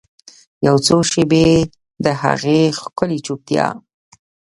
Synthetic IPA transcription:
jawt͡soʃebe | d̪əɦa̰ɣexkəlit͡ʃuk̚t̪jɑ̰

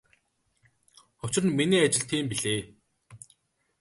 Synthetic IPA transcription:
ʊt͡ɕrə̆nminiːat͡ɕɪ̆ɬt̪ʰiːmpiɮeː

